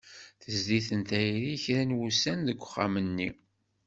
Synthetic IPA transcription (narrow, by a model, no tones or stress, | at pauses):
θəzd̪iθənt̪æjɾiçɾænwusænðəɡʷːχːa̰mənːi